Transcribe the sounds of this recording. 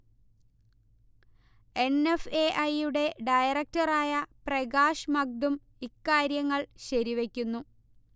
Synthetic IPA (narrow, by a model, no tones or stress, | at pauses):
e̞ne̞fe̞ːʔɐjuɽe̞ɖɐjɐrɐk̚tɐraːjɐprɐɡaːʂmɐɡ̚d̪um | ikːaːɾjɐŋːɐɭɕɐɾiʋe̞kʲːunːu